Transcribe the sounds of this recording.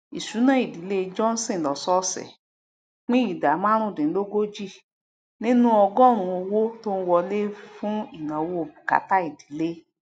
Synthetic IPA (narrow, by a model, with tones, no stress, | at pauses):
i˨su˨˦nã˦i˨di˨˦le˦d͡ʒɔ̃˦n̩˦sĩ˦˨lɔ˨sɔ˦sɛ̰˨ | k͡pĩ˦i˨da˨˦mã˦ɾ̃ũ˦˨dĩ˨˦lo˦ɡo˦d͡ʒi˦˨ | nĩ˦nũ˦ɔ˧ɡɔ˦˨ɾ̃ũ˧o˧wo˦to˦n̩˦wɔ˧le˦fũ˦i˨nã˨wo˦o˨bi˨ka̰˨˦ta˦i˨di˨˦le˦